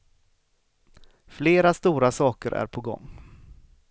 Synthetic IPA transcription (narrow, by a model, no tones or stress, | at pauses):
fleːɾast̪uːɾasɑːkəɾʔæ̰ɾpʰɔɡɔ̰ŋː